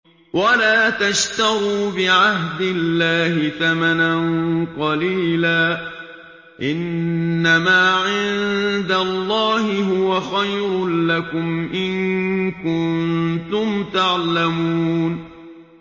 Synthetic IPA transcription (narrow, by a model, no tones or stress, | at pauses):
wʔalaːt̪aʃt̪aɣuːbɪʕaɦd̪ɪlːaːɦɪθamananqɑliːlaː | ʔɪnːamaːʕɪnd̪alˤːɑːhɪɦʊwaxajɾʊlakʊmʔɪnkʊnt̪ʊmt̪aʕlamuːn